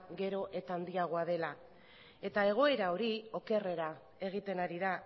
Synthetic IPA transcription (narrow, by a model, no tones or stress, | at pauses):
ɡe̞ɾo̞ʔe̞t̪and̪iaɣ̞o̞aðe̞la | e̞t̪ae̞ɣ̞o̞e̞ɾao̞ɾio̞ke̞re̞ɾa | e̞ɣ̞it̪e̞naɾiða